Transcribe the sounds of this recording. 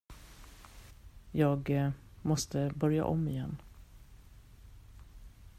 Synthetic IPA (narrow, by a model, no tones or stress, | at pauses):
jɑːɡmɔst̪əbœɾja̰ʔɔmːɪjɛnː